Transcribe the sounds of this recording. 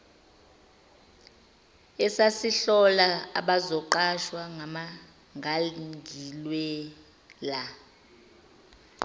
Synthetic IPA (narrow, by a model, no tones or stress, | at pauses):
ɛsasiɬɔlaaɓazɔǃaʃwaŋama | ŋʱaliŋɡʱilwɛ | la